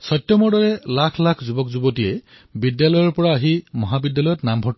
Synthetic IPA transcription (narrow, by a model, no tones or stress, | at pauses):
sɔtjɔmɔdɔɹɛlakʰlakʰzubɔkzubɔtijɛ | bidjalɔjɔɹpɔɹaːɦimɔɦabidjalɔjɔtnambʱɔt